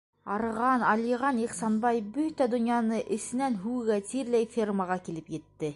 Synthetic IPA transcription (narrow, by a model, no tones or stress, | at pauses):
ɑɾɤ̆ʁɑnɑliʁɑniχsɑnbɑjbɵt̪æd̪ŏnjɑnɤʔɘ̆sɘ̆nænɦʉwɘ̆ɡæt̪iɾlæjfʲirməʁɑkilɘpjɘ̆t̪ːɘ